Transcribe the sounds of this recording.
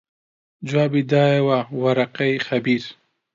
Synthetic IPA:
d͡ʒwɑːbid̪ɑjewawaɾaqajxabiɾ

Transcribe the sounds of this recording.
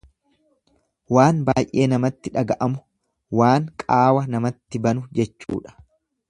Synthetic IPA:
waːnbaːjʔe̞ːnɐmɐt̪ːɪᶑɐɡɐʔɐmʊ | waːŋkʼaːwɐnɐmɐt̪ːɪbɐnʊd͡ʒɛt͡ʃːṵːᶑɐ̥

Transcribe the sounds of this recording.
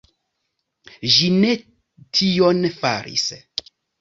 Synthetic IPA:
ʒine̞ | tʰionfa̰ɾḭs

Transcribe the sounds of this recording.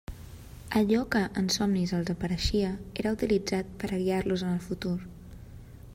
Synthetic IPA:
əʎɔkəʔənsɔmnizəlˠzəpəɾəʃiəeɾəut̪ilid͡zat̪̚pəɾəβiaɾluzənəlˠfut̪uɾ

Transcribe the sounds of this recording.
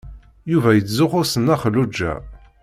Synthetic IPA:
juvæjət͡sːzʊχʊsənːæχəlud͡ʒːæ̰

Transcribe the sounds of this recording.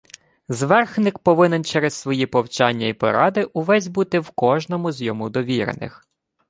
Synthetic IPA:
zʋɛrxnɪkpɔʋɪnɛnt͡ʃɛɾessʋɔjipɔwt͡ʃɑnʲːɐipɔ̰ɾɑd̪ɪʔuʋɛzʲbut̪ɪwkɔʒnɔmʊzʲjɔmud̪ɔʋʲiɾḛnɪ̰x

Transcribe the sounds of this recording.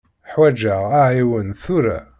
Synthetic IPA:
ħwæd͡ʒaʁæʕiwənθʊɾæ̰

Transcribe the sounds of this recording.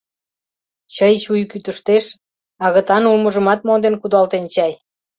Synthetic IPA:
t͡ɕəjt͡ɕujkyt̪əʃt̪eʃ | ɑɣə̆t̪ɑnulməʒə̆mɑt̪̚mond̪enkud̪ɑlt̪ent͡ɕɑj

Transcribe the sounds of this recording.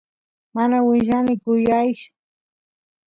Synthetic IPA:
manawɪʒanɪkʊjajʃʊ̥

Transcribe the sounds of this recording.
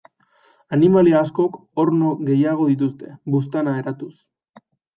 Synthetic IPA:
animaliaːsko̞k | o̞ɾnoɣe̞jaɣ̞o̞ðit̪̬ust̪e̞bust̪anaeɾat̪us

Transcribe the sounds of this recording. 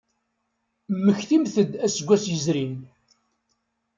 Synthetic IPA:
məçθimθəd̪æsəɡʷːæsjəzɾin

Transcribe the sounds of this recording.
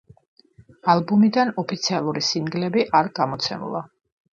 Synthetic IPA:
alˠbumid̪anɔpʰit̪sʰialˠuɾisiŋɡlɛbiʔaɾɡamɔt̪sʰɛ̰mṵlˠa

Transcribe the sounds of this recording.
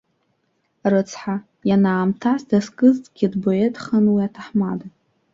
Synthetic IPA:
rɨt͡sʰħa | janaːmtʰasdaskʼɨztʼɡ̥ʲidbo̞e̞tʼχanwiatʰaħmada

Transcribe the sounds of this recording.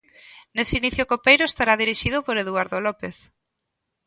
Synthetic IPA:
neseiniθjʊkopejɾʊest̪aɾaðiɾiʃiðʊpoɾeðuaɾðolɔpeθ

